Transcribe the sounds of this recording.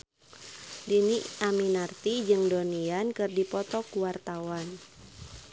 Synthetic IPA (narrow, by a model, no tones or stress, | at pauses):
diniaminart̪id͡ʒɨŋdoniankɨrdipɔt̪ɔkuwart̪awan